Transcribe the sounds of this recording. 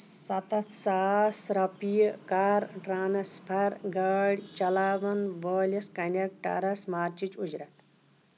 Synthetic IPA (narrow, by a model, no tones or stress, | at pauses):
sɐt̪ɐt̪ʰsaːsɾɐpijkaːɾʈɾaːnɐspʰɐɾɡɐɽʲt͡ʃɐlaːʋɐnʋəːlʲɐskɐnʲɐk̚ʈɐ̰ɾɐsmaːɾt͡ʃit͡ʃud͡ʒɾɐt̪